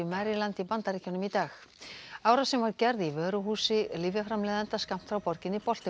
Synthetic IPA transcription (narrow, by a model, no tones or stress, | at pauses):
maɾilant̪ipant̪aɾiːcɔnʏmit̪aːxaːwɾasɛmvaɾcɛɾðivœːɾʏɦuːsɪlivjafɾamlɛːðant̪askam̥t̪fɾawpɔɾcɪnɪpɔl̥t̪ɪ